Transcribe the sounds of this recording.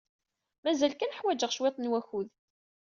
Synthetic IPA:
mæzælkænəħwæd͡ʒəʁʃwet̪ˤnwæxuð

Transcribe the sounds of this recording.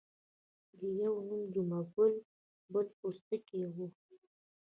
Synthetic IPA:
d̪əjawnumd͡ʒumaɡʊl | bəlpust̪əkewu

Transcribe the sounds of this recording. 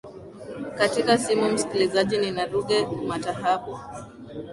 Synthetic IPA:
katikasimum̩si̥kilizaʄininaɾuɠɛmataɦapɔ

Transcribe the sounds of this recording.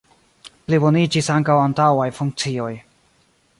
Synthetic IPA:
plibonid͡ʒisaŋkawantawajfuŋk̚t͡sio̞j

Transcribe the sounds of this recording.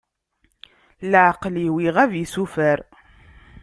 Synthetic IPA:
lʕqliwiʁævjisufəɾ

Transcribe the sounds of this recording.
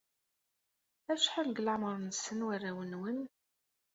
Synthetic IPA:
æʃħalɡlaʕməɾˤnsənwarːæwənwən

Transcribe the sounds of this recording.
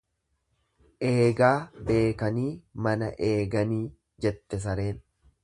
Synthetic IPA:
ʔe̞ːɡaːbe̞ːkɐniːmɐnɐ̰ʔe̞ːɡɐniː | d͡ʒɛt̪ːɛs̬ɐɾeːn

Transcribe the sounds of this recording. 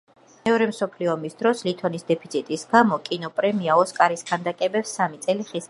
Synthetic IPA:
mɛɔɾɛmsɔpʰliɔmisd̪ɾɔslit̪ʰɔnisd̪ɛpʰit̪sʰit̪ʼisɡamɔkʼinɔpʼɾɛmiaɔskʼaɾiskʰand̪akʼɛbɛpsːamit̪sʼɛliχis

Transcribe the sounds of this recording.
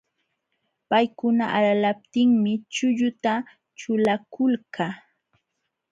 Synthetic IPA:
pajkʊnaʔalalap̚t̪ɪŋmɪt͡ʃʊʎʊt̪a | t͡ʃʊlakʊlkʰa

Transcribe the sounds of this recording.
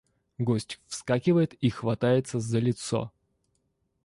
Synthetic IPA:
ɡosʲtʲfskakʲɪvəjɪt̪ixvɐt̪ajɪt̪səzəlʲɪt̪so̰

